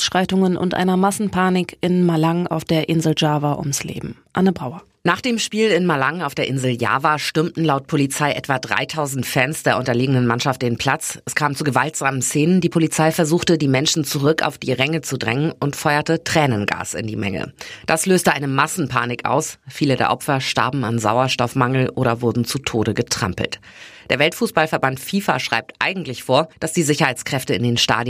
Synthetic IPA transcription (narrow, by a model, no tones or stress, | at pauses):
sʃʁ̥aɪtʊŋənʊ̰ntʔa̰ɪnɐmasn̩pʰaːnɪkɪnmalaŋa̰ʊfd̥eːɐʔɪnzl̩d͡ʒaːvaʔʊ̰mslḛːbm̩ʔanəbʁaʊɐ | naːχd̥eːmʃpiːlɪnmalaŋaʊfd̥eːɐʔɪnzl̩ja̰ːvaːʃtʏmtn̩laʊt̚pʰolit͡saɪʔɛtv̥adʁa̰ɪtʰaʊzn̩tfɛːnsd̥eːɐʔʊntɐleːɡəŋnənmanʃaft̚d̥eːnpʰl̥at͡sɛskʰaːmt͡suɡəvaltz̥aːmən̩seːnəndiːpʰolit͡saɪfɛɐzuːxtədiːmɛnʃn̩t͡suʁʏka̰ʊfd̥ḭːʁɛŋət͡sudʁɛŋənʊntfɔʏɐtətʁ̥ɛːnənɡa̰ːsɪ̰ndiːmɛ̰ŋə̰d̥asløːstəʔaɪnəmasn̩pʰa̰ːnɪkʔa̰ʊsfiːlədḛːɐʔɔpfɐʃta̰ɐbm̩anza̰ʊɐʃtɔfmaŋl̩ʔoːɾɐvʊɐdn̩t͡sutʰoːɾəɡətʁ̥a̰mpl̩td̥eːɐvɛltfuːsb̥alfɛɐbantfiːfa̰ʃʁ̥a̰ɪp̚tʔa̰ɪɡŋ̩tlɪçfoːɐd̥asd̥iːzɪçɐhaɪt͡skʁ̥ɛftəɪndeːnʃta̰ːd